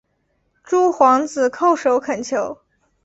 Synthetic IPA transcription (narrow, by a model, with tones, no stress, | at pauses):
ʈ͡ʂu˥˩xwɑ˧˥ŋd͡zɹ̩˨˩kʰo˥˩ʊʂo˧˥ʊkʰə˨˩nt͡ɕʰjo˧˥˦ʊ